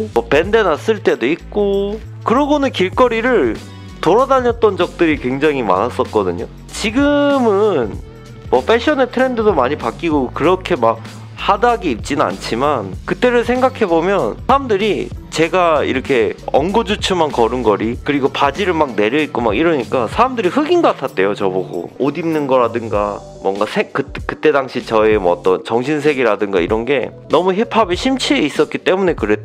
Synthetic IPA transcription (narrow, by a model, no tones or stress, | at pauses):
mʌpe̞nde̞nas͈ɯɭt͈e̞doik͈o | kɯɾʌɡonɯnkiɭk͈ʌɾiɾɯɭ | toɾadaʎʌt͈ʌnd͡ʑʌk̚t͈ɯɾikwe̞ŋd͡ʑaŋima̰nas͈ʌt̚k͈ʌdɯ̰ɲo | t͡ɕiɡɯmɯn | mwʌpʰeɕʰʌnetʰɯɾe̞ndɯdomaɲipak͈iɡokɯɾʌkʰe̞mak̚ | hadaɡeip̚t͡ɕ͈inɯna̰nt͡ɕʰimankɯt͈e̞ɾɯɭsʰe̞ŋɡakʰe̞bomjʌnsʰaamdɯɾit͡ɕe̞ɡaḭɾʌkʰe̞ʌŋɡod͡ʑut͡ɕʰɯmankʌɾɯnɡʌɾikɯɾiɡopad͡ʑiɾɯɭmak̚ne̞ɾjʌit̚k͈omakiɾʌɲik͈asʰaɾamdɯɾihɯɡinɡʌk͈atʰat̚t͈e̞jot͡ɕʌboɡo̰odimnɯnɡʌɾadɯŋɡa | mwʌŋɡasʰekɯkɯt͈e̞daŋɕʰit͡ɕʌemwʌːt͈ʌnt͡ɕʌŋɕʰins̬ʰe̞ɡiɾadɯŋɡaḭɾʌnɡe̞ | nʌmuɦepʰabeɕʰimt͡ɕʰieis͈ʌt̚k͈it͈e̞mune̞kɯɾe̞t